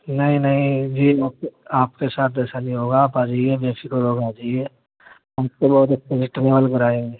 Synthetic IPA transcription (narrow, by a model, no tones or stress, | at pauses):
nɐɦĩnɐɦĩd͡ʒiːaːpaːp̚kesaːt̪̚ʰɛːsaliɦoːɡaːpaːd͡ʒaːiebẽːfikoɾɦoːɡaːd͡ʒaie | ɦɐmkebɔːʊt̪̬ɐkt͡ʃʰed͡ʒɪʈɪneːbəlkɐɾaːẽe